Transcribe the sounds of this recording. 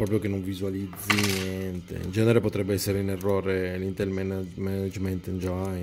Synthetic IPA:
pɾɔːp̬ɾjokenːoɱvizualid̪zːinjɛnt̪ḛḭnd͡ʒɛneɾepot̪ɾɛbːeɛsːeɾeunerːɔːɾelint̪elmɛnamɛnad͡ʒment̪ind͡ʒaj

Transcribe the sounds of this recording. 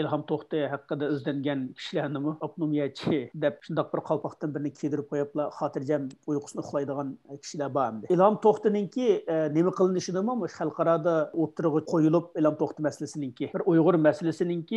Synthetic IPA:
ilˠɦɑmt̪ʰoχt̪ɨɦæqːəd̪ɛyzd̪ɛŋɡʲɛnkʲʰi̥ʃilænɪmuɑpnomijɛt͡ʃʰid̪ɛp̚ʃund̪ɑq̚bɪɾqʰɑlwˠpʰɑχt̪ɨnbɪɾnɪkʲʰed̪yɾɪp̚qʰojɑplˠɑχɑːt̪ʰɨɾd͡ʒɛnujqʰʊ̥snɨʊχlˠɑjd̪əʁɑnkʲʰi̥ʃilɛbɑmd̪ɪilˠhɑmt̪ʰoχt̪ɨnɪŋkʲinemɪqəlˠɨnɨʃid̪ɨmumuʃχælˠqɑɾɑːd̪ɑwot̪ːuɾʁɑqʰojulˠup̚elˠhɑmt̪ʰoχt̪ɨmɛsɪlɪsɪnɪŋkʲibɪɾujʁʊɾmɛsɪlɪsɪnɪŋkʲi

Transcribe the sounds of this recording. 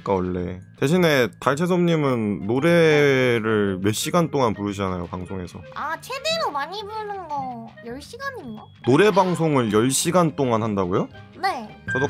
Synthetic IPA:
k͈aʌɭːe̞̰te̞ɕʰine̞taɭt͡ɕʰes̬ʰʌmɲimɯnːoɾe̞ɾɯɭme̞ɕ͈iɡant͈oŋanpuɾɯɕʰianajo̰paŋsʰoŋe̞sʰʌ̰at͡ɕʰedeɾomaɲibɯnɯnɡʌjʌɭɕ͈iɡaɲiɲo | noɾe̞baŋsʰoŋɯɭjʌɭɕ͈iɡant͈oŋanɦandaɡojone̞t͡ɕʌdo

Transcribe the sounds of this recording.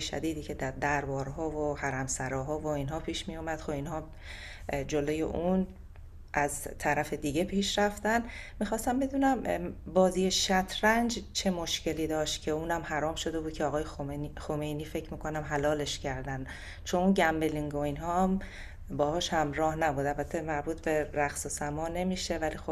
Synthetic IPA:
eʃæ̰d̪iːd̪iːcʰe̞d̪æd̪æɾbɒːɾɦɒːvohæɾæmsæɾɒːɦɒːvo̞iːnɦɒːpʰiːʃmijumæd̪̥xobinhɒː | d͡ʒo̞loje̞̰ʔun | ʔæzt̪ʰæɾæfe̞d̪iɟe̞pʰiːʃɾæft̪ænmixɒːst̪æmbe̞d̪uːnæmbɒːziːjeʃæt̪ʰɾænd͡ʒt͡ʃʰe̞moʃcʰe̞liːd̪ɒːʃt̪̚cʰe̞uːnæmhæɾɒːmʃo̞d̪e̞bud̪̚cʰeɒːɣɒːjexomejniːfe̞cʰmiːkʰo̞næmɦælɒːle̞ʃcʰæɾd̪æn | t͡ʃʰonunɟæmbe̞liŋɡoinɦɒːm | bɒːhɒːʃhæmɾɒːhnæbuːd̪ælbæt̪ʰːe̞mæɾbuːt̪ʰbe̞ɾæxsosæmɒːne̞miːʃe̞vælixob

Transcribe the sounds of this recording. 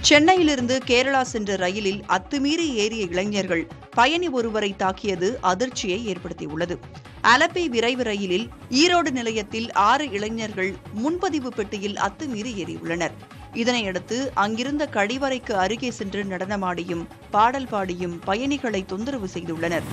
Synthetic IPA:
t͡ʃɛnːɐjɪlɪɾɯnd̪ɯkeːɾɐɭaːsɛndrɯɾɐjɪlɪlɐt̪ːɯmiːɾieːɾɪjɐɪɭɐŋɲɐɾɣɐɭ | pɐjɐniɔɾɯʋɐɾɐɪt̪ːaːkːɪjɐðɯʔɐðɪɾt͡ʃːɪjɐɪeːrpɐɽɯt̪ːḭʊɭːɐðɯ | ʔɐlɐpːeːʋɪɾɐɪʋɯɾɐjɪlɪl | iːɾoːɽɯnɪlɐjɐt̪ːɪlaːɾɯɪɭɐŋɲɐɾɣɐɭmʊnpɐðɪʋɯpɛʈːɪjɪlɐ̰t̪ːɯmiːɾieːɾɪ̰ʊ̰ɭːɐnɐɾ | ɪðɐnɐɪɛɽɯt̪ːɯʔɐŋɡɪɾɯnd̪ɐkɐɽɪʋɐɾɐɪkːɯɐɾɯɣɐsɛndrɯnɐɽɐnɐmaːɽɪjɯm | paːɽɐlpaːɽɪjɯmpɐjɐnɪɣɐɭɐɪt̪ːɔnd̪ɯɾɐʋɯsɛjðɯɭːɐnɐɾ

